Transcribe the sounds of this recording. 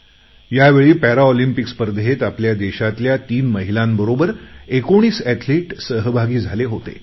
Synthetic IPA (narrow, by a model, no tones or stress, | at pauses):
jaʋeɭiːpæɾaɔlimpikspəɾd̪ʱɦet̪apljad̪eɕat̪ljat̪iːnməɦilambəɾobəɾekoɽ̃iːsæt̪ʰleʈsəɦəbʱaɡiːd͡zʱaleɦot̪ḛ